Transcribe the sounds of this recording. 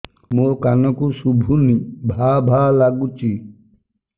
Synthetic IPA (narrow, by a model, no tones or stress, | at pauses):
mokanɔkusubʱunibʱabʱalaɡut͡ʃi